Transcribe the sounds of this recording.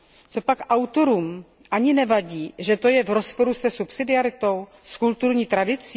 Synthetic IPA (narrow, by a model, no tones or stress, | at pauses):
t͡so̞pakʔawt̪o̞ɾuːm | ʔaɲɪnɛvaɟiːʒɛt̪o̞jɛvɾo̞spo̞ɾusɛsupsɪdɪaɾɪt̪o̞w | skult̪uɾɲiːt̪ɾadɪt͡si